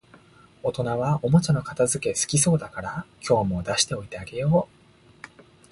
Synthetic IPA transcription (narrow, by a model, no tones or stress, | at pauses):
ot̪o̞naβao̞mo̞t͡ɕano̞kat̪azɨke̞sɨ̥kʲiso̞ːd̪akaɾakʲo̞ːmo̞d̪aɕi̥t̪e̞o̞it̪e̞aɡe̞jo̞ː